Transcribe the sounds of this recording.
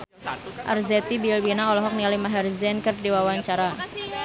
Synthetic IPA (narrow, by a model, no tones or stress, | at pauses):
ʔa̰rzɛt̪ibilwinaɔlɔɦɔk̚nialimaɦɛrzɛnkərdiwawaɲt͡ʃaɾa